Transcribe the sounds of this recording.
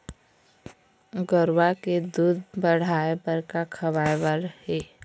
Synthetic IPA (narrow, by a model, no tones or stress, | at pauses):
ɡəɾwaked̪uːd̪bəɽ̤aːebəɾkakʰəʋaːjwaɾəheː